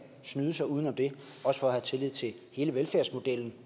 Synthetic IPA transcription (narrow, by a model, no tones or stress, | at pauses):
snyːðˠəsɑ̈ɪuːðˠnɒ̽md̥e̝ | ɒ̽sə̥fɒ̽ːhæt͡sʰe̝lið̰ˠt͡sʰe̝ | he̝ːləʋelfæɐsmo̝d̥el̰n̩